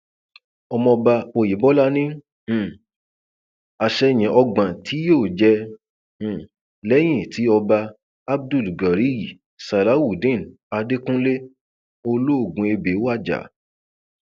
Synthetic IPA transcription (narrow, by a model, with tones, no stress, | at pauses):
ɔ˧mɔ̃˧ba˧o˧˨ji˨˦bɔ˦la˦nĩ˦˨ | a˧ʃɛ˧˦˨j̃ɛ̃˨ʔɔ˧ɡ͡bã˨tʰi˨˦joː˦˨d͡ʒɛ̃˧˨ | lɛ˦j̃ĩ˦˨tʰi˨˦ɔ˧ba˧ | a˦b̚du˦˨lɡa˨ɾi˦ji˨ | sa˨la˨˦wu˨dĩ˦˨n˨ | a˧de˦kũ˦le˦ | o˧lo˦o˦˨ɡũ˨˧e˧be˨˦wa˦˨d͡ʒa̰˨˦